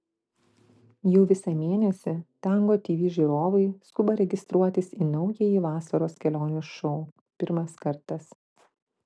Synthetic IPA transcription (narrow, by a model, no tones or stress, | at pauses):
jɛʊʋʲɪsɑmʲeːnʲɛsʲɪt̪ʲɛˑŋɡoːt̪ʲiːʋʲiːʒʲiːɾoːʋɐɪskʊbɐɾʲɛɡʲɪst̪ɾuɔt̪ʲɪsiːnɔʊjɛjiːʋɑːsɐɾoːskʲɛlʲoːnʲʊːʃɔʊ | pʲɪɾmɐskɐɾt̪ɐs